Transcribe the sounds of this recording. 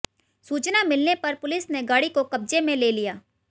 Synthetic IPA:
suːt͡ʃnamɪlnepɐɾpʊlɪsneɡaːɽikokɐb̚d͡ʒemẽleːlijaː

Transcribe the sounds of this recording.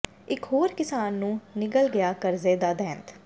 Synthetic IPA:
ɪkɦoːɾkɪsaːnːũːnɪkəlɡɪjaːkəɾzeːd̪aːd̪ɛ̃ːnt̪

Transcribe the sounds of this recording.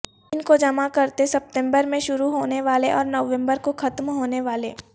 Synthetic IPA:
ɪnkod͡ʒɐmakɐɾt̪esɐp̚ʈ̪ɛ̃mbəɾmẽʃʊɾuɦoːneʋaːleʔɔːɾnəʋɛ̃mbəɾkoxʰɐt̪mɦoːneʋaːlḛː

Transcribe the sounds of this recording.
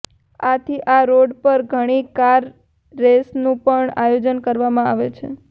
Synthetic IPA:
at̪ʰiʔaɾoɖpəɾɡʱəɽ̃ikaɾː | esnũpəɳajod͡ʒənkəɾʋamãa̰ʋet͡ʃʰḛ

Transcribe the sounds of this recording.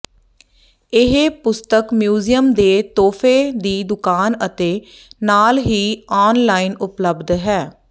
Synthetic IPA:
ɪɦpʊst̪əkmjuːzijəmd̪eːt̪oːpʰeːd̪iːd̪ʊkaːnət̪eː | naːlɦiːaːnlaːinʊpləbd̪ɦɛː

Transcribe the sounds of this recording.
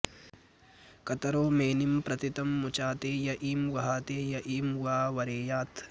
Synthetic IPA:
kɐt̪ɐɾoːmeːnimpɾɐt̪it̪ɐmːut͡ʃaːt̪eːjɐʔiːmʋɐɦaːt̪eːjɐʔiːmʋaːʋɐɾeːjaːt̪

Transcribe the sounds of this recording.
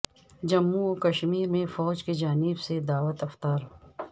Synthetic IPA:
d͡ʒɐmːuokɐʃmiːɾmẽfɔːd͡ʒked͡ʒaːnɪbsed̪aːwət̪ɐft̪aːɾ

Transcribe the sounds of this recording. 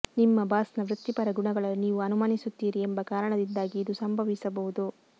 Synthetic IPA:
nimːɐbaːsnɐʋɾut̪ːipɐɾɐɡuɳɐɡɐɭɐniːʋuɐnumaːnisut̪ːiːɾiembɐkaːɾɐɳɐd̪ind̪aːɡiːd̪usɐmbʱɐʋisɐbɐʋud̪u

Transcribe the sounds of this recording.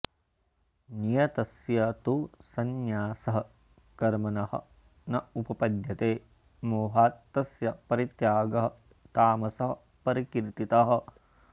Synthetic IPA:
nijɐt̪ɐsjɐt̪usɐnjaːsɐɦɐ | kɐɾmɐnɐhɐ̰ | nɐupɐpɐd̪ʱjɐt̪eː | moːɦaːt̪ːɐsjɐpɐɾit̪jaːɡɐɦɐ | t̪aːmɐsɐɦɐ | pɐɾikiɾt̪it̪ɐɦɐ̆

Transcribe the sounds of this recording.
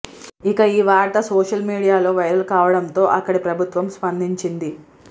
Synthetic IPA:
ikɐiːʋaːɾʈɐsoːʂɐlmiːɽijaːlo̞ːʋɐjɾɐlukaːʋɐɽɐnt̪o̞ːʔɐkːɐɽipɾɐbʱut̪ʋɐmspɐnd̪ʱiɲt͡ʃind̪i

